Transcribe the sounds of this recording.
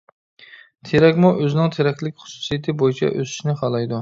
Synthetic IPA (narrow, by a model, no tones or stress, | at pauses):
t̪ʰeɾɛkʲmuʔøzɪnɪŋt̪ʰeɾɛkʲlɪkʲχʊ̥su̥sijet̪ʰɪbojit͡ʃʰɛ̰ʔøsɪ̥ʃnɪχɑlˠɑjd̪u